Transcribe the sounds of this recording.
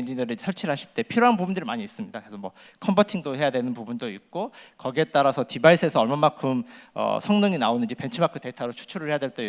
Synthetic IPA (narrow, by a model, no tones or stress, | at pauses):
nd͡ʑindɯɾisʰʌɭt͡ɕʰiɾɭɦaɕʰiɭt͈e̞pʰiɾjoɦanbubundɯɾimaɲiːs͈ɯmɲidakesʰʌmwʌ | kʰʌmbʌtʰiŋdoɦe̞jadwe̞nɯnpubundoḭk̚k͈okʌɡie̞t͈aɾasʰʌtibais͈ʰɯe̞sʰʌʌɭmamakʰɯmʌ̰sʰʌŋnɯŋinaonɯnd͡ʑipe̞nt͡ɕʰɯmakʰɯte̞tʰaɾot͡ɕʰu̥t͡ɕʰuɾɯɭhe̞jadweɭt͈e